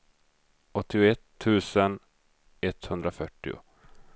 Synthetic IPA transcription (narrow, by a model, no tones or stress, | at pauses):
ʔɔt̪ːɪʊɛt̪ʰːʉ̟ːsən | ɛt̪ːhɵnd̪ɾafœʈːɪ̰ʊ̰